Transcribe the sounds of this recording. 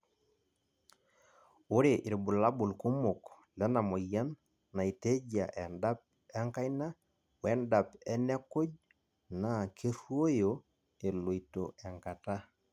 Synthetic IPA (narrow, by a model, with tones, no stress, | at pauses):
ʊ˦ɾe˨ʔi˨ɾbu˨la˦bu˨lku˦mʊ˨k | lɛ˨˦na˨mo˨ja˦nː | a˨i˨te˦d͡ʒa˨ʔɛ˨nda˦p̚ | ɛ˦ŋka˦jna˦ | wɛ˦nda˨pɛ˦nɛ˦ko˦d͡ʒ | na˨kʰe˦ɾwo˦jo˨ | e˨lo˨i˨to˨ɛ˨ŋka˨ta˦